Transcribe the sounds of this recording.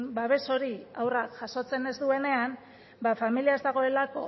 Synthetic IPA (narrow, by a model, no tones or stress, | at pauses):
baβe̞so̞ɾiawrakʝaso̞t͡se̞ne̞zd̪ue̞ne̞am | bafamiliae̞zd̪aɣ̞o̞elako̞